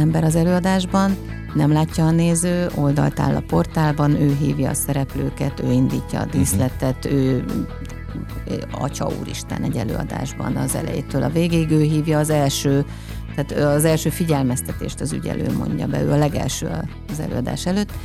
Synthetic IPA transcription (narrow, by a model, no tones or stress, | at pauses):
ɛmbɛɾɒzɛløːɒd̪aːʒbɒnː | ɛmlaːcːɒːneːzøːʔo̞ld̪ɒ̰lt̪a̰ːlːɒpo̞rt̪aːlbɒnøːɦḭːvjɒːsɛɾɛpløːkɛt̪øːind̪iːcːɒːd̪iːslɛt̪ɛt̪øː | ɒ̰cɒṵːɾiʃt̪ɛnɛɟɛlø̰ːɒ̰d̪a̰ːʒbɒ̰nɒzɛ̰lɛ̰jeːt̪øːlɒveːɡeːiɡøːɦiːvjɒːzɛlʃøː | t̪aːt̪zɛlʃøːfiɟɛlmɛst̪ɛt̪eːʃt̪ɒzy̰ɟɛ̰lʔø̰ːmo̞̰ɲɟɒbɛ̰ø̰ːɒlɛɡɛ̰lʃøːɒ | zɛ̰løːɒd̪a̰ːʃɛløːt̪ː